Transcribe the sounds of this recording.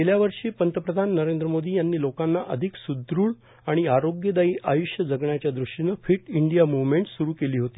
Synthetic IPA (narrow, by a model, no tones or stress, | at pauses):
keljaʋəɾʂiːpənt̪əpɾəd̪ʱanːəɾend̪ɾəmod̪iːjanːiːlokanːaʔəd̪ʱiksud̪ɾuːɭ | aɽ̃iaɾoɡjəd̪aiːʔajuʂjəd͡zəɡɳjat͡ɕjad̪ɾuʂʈinəːfiʈiɳɖijamuʋmeɳʈsuɾuːkeliːɦot̪iː